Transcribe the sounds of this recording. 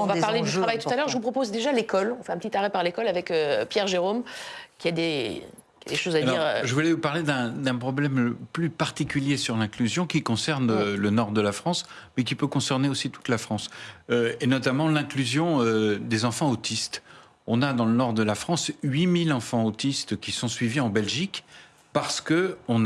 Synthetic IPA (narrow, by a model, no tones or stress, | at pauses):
vapaʁled̪yt̪ʁavajt̪ut̪alœʁʒəvupχɔpozd̪eʒalekɔlɔ̃fɛɛ̃pət̪it̪aʁɛpaʁlekɔlavɛkøpjɛʁʒeʁomkʲiad̪e | kʲiad̪eʃozadliʁʒəvulɛvupaʁled̪ɛ̃d̪ɛ̃pχɔblɛməplypaʁt̪ikʲyljesyʁlɛ̃klyzjɔ̃kʲikɔ̃sɛʁnølənɔʁd̪əlafχɑ̃smɛk̬ʲipøkɔ̃sɛʁneosit̪u̥t̪lafχɑ̃søenɔt̪amɑ̃lɛ̃klyzjɔ̃ød̪ezɑ̃fɑ̃ot̪ist̪ | ɔ̃nad̪ɑ̃lənɔʁd̪əlafχɑ̃sɥimilɑ̃fɑ̃ot̪ist̪kʲisɔ̃sɥiviɑ̃bɛlʒik | paʁsə̥kəɔ̃n